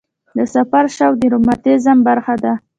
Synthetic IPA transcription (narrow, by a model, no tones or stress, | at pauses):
d̪əsafaɾʃawd̪iɾʊmat̪ezambaɾxad̪a